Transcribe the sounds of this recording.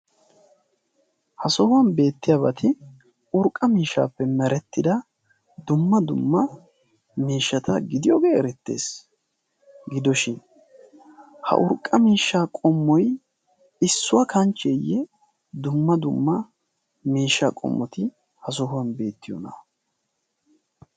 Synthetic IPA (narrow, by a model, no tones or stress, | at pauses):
hɐsɔhʊwɐnbe̞ːt̪ːɪjabɐt̪ʰɪ | ʊɾkʼːɐmiːʃːa̰ːpːɛmɛɾɛt̪ːɪd̪ɐ | d̪ʊmːɐd̪ʊmːɐ | miːʃːɐt̪ɐɡɪd̪ɪjoɡeːɛɾɛt̪ːe̞̰ːs | ɡɪd̪ɔʃɪn | hɐ̰ʔʊɾkʼːɐmiːʃːaːkʼɔmːɔj | ɪsːʊwɐkɐnt͡ʃːɛjːɛ | d̪ʊmːɐd̪ʊmːɐ | miːʃːakʼɔ̰mːɔt̪ɪ | hɐs̬ɔhʊwɐnbe̞ːt̪ːɪjɔ̰nɐ̰